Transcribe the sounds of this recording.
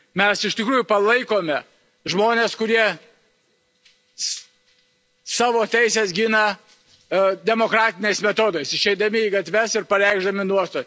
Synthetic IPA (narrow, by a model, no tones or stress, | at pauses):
mʲɛsɪʃʲt̪ʲɪkɾuːjʊpɐlˠɐɪkoːmʲɛ | ʒmoːnʲeːskʊɾʲiɛ | sɑːʋoːt̪ʲɛɪsʲeːsɡʲɪnɐ | d̪ʲɛmoːkɾɑːt̪ʲɪnʲeɪsmʲɛt̪oːd̪oɪsɪʃɛɪd̪ɐmʲɪiːɡɐt̪ʲʋʲɛsɪɾpɐɾʲɛɪɡʒd̪ɐmʲɪnuɔst̪oː